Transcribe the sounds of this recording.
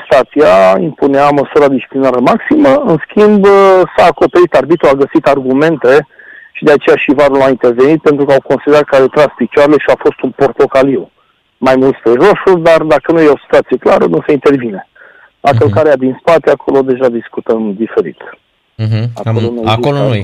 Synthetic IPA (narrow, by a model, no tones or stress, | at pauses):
st̪at̪siaḭmpuneaməsuɾad̪iʃt͡ʃi̥plinaɾəmaksiməɨnskʰʲimbsaːko̞pe̞ɾit̪arbit̪oaɡəsit̪arɡume̞nt̪e̞ʃid̪e̞at͡ʃe̞jaʃivaɾulaint̪e̞rve̞nit̪̚pent̪ɾukəawko̞nsid̪eɾat̪kaɾet̪ɾaspit͡ʃaɾele̞ʃiafo̞st̪unpo̞rt̪o̞kaliu | majmult̪spɾeʒo̞suld̪ard̪akənujeo̞si̥t̪uat̪sijeklaɾə̰nuseint̪e̞rvine̞ | lakəlkaɾead̪inspat̪eakʰo̞lo̞d̪e̞ʒad̪iskut̪əmd̪ife̞ɾḭt̪̩ | a̰ollonoakolooj